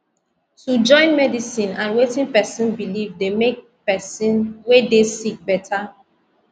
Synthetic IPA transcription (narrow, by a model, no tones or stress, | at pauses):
tud͡ʒɔ̃ɪ̃nmɛdisĩnãnwetĩnpɛsĩnbilivdemek̚ | pɛsĩnwedesik̚bɛtʰa